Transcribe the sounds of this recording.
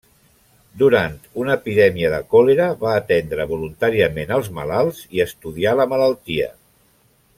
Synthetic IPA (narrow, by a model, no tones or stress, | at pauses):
d̪uɾant̪unəːpiðɛmiəðəkɔleɾəβaːt̪ɛnd̪ɾəβulunt̪aɾiəmenəlˠzmə̰lalˠziəst̪uðialəmələlˠt̪iə̰